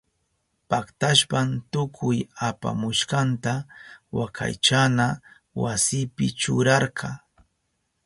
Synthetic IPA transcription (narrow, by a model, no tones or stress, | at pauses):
pakt̪aʃpant̪ʊkʰʊjapa̰mʊʃqɑnt̪awakʰa̰jt͡ʃana | wasɪpɪt͡ʃʊɾɑɾkʰɑ